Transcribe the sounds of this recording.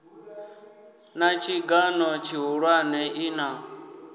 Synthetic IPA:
nat͡ʃʰiɡanɔt͡ʃʰiɦuɺwanɛʔina

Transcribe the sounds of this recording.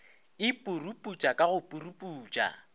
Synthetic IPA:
ɪpʼurupʼut͡ʃʼakʼaɣʊpʼurupʼuːt͡ʃʼa̰

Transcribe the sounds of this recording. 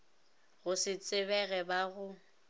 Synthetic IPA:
ɣʊsɪt͡sʼɪβɛɣɛbaɣʊ

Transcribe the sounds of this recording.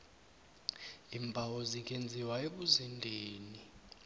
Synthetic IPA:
imbʱawɔzik̬ʼend͡zʱiwaeɓuzindʱeːni

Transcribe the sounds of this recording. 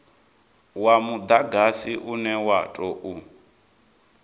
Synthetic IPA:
wamud̪aɡasiʔunɛwatʼɔʔu

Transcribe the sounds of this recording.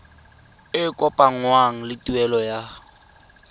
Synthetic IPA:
ɪkʼɔpʼaŋ̩waŋ̩lɪtʼuɛlɔja

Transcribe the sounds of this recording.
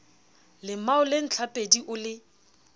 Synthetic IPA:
lɪmaʊlɪn̩t͡ɬʰapʼediʔʊlɪ

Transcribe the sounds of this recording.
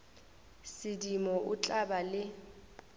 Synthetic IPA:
sɪdimɔʔʊt͡ɬʼabalɪ

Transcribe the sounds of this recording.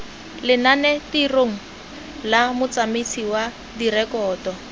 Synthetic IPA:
lɪnanɛtiroŋ̩ | lamʊt͡samet͡sʰiwa | dirɛkɔːtɔ

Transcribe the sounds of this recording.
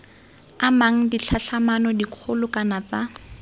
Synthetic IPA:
amaŋ̩diɬʰaɬʰamanɔdiq͡χʰʊlʊkanat͡sa

